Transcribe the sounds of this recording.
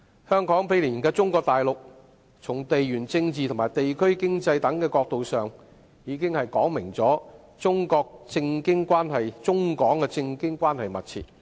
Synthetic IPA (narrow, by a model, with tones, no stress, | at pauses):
hœː˥ŋkɔː˨˥ŋpʰe˨˧jliː˨˩˨kɛː˧t͡sʊ˥ŋkɔː˧k̚t̪aː˨jlʊ˨k̚ | t͡sʰʊ˨˩ŋt̪e˨jjyː˨˩nt͡sɪ˧ŋt͡siː˨ʊ˨˩maː˨˩jt̪e˨jkʰɵ˥ɥkɪ˥ŋt͡sɐ˧jt̪ɐ˨˥ŋkɛː˧kɔː˧k̚t̪o˨wsœː˨ŋ | jiː˨˧kɪ˥ŋhɐ˨jkɔː˨˥ŋmɪ˨˩ŋt͡sɔː˨˥ | t͡sʊ˥ŋkɔː˧k̚t͡sɪ˧ŋkɪ˥ŋkwaː˥nhɐ˨jt͡sʊ˥ŋkɔː˨˥ŋkɛː˧t͡sɪ˧ŋkɪ˥ŋkʷwaː˥nhɐ˨jmɐ˨t̚t͡sʰḭː˨t̚